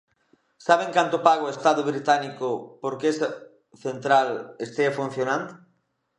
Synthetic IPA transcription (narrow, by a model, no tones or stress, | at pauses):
saβeŋkant̪ʊpaɣoest̪aðʊβɾit̪anikʊpoɾkeesa | θent̪ɾalest̪eafun̟θjonand̪ʊ